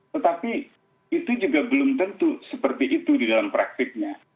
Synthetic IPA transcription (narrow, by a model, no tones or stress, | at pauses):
t̪ət̪api | it̪ud͡ʒuɡabəlʊmt̪ənt̪usəpərt̪iʔit̪udidalampɾak̚t̪ɪk̚ɲa